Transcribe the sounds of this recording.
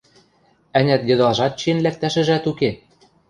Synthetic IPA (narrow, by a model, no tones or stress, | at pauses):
ænʲæt̪jɤ̆d̪ɑʒɑt̪̚t͡ɕienlæk̚t̪æʃɘ̆ʒæt̪uke